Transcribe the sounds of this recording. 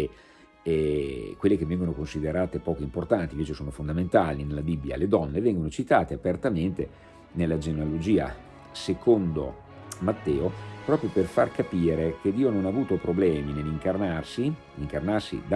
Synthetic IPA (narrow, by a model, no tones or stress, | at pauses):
kwelːekevːɛŋɡonokonsid̪eɾaːt̪epɔːkoimport̪ant̪iɱveːt͡ʃesoːnofond̪ament̪aːlinelːabibːja̰led̪ɔnːevɛŋɡonot͡ʃit̪aːt̪eapert̪ament̪e | nelːad͡ʒenealod͡ʒiːa̰ | sekʰond̪o̰ | mat̪ːɛːopɾɔːpɾjoperfarkapiːɾek̟ed̪iːononaːvuːt̪opɾoblɛːmineliŋkarnarsinliŋkarnarsḭd̪